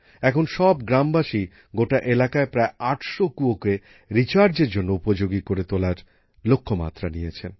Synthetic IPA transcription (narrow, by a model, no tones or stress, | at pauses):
ɛkʰonʃɔbɡɾambaʃi | ɡoʈaʔelakaepɾaeaʈʃokuoke | ɾit͡ɕaɾd͡ʑeɾd͡ʑonːoupod͡ʑoɡikoɾet̪olaɾ | lokʰːoma̰t̪ːɾanijet͡ɕʰen